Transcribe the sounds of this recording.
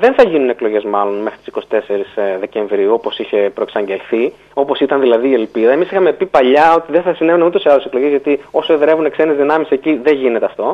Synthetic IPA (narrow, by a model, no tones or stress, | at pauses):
ðe̞nθɐʝinune̞klo̞ʝe̞zmɐlo̞nme̞xɾit̪i̥si̥ko̞si̥t̪e̞seɾisðe̞ce̞ɱvɾiuo̞po̞siçe̞pɾo̞e̞ksɐɲɟe̞lθi | o̞po̞sit̪ɐnðilɐðiːe̞lpiðɐemisixɐme̞pipɐʎɐo̞t̪iðeθɐsine̞vunmint̪useɐðoseklo̞ʝezʝɐt̪io̞soeðɾe̞vunekse̞nezðinɐmiseciðeʝine̞t̪eɐft̪o̞